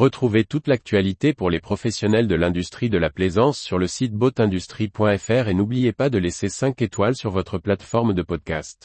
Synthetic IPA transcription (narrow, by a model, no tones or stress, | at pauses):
ʁət̪χuvet̪ut̪lak̚t̪ɥalit̪epuʁlepχɔfɛsjɔnɛld̪əlɛ̃d̪yst̪χid̪əlaplezɑ̃sːyʁləsit̪̚bot̪ɛ̃d̪yst̪χipwɛ̃ɛfɛʁenublijepad̪əlesesɛ̃ket̪walsyʁvɔt̪χəplat̪fɔʁmd̪əpɔd̪̚kast̪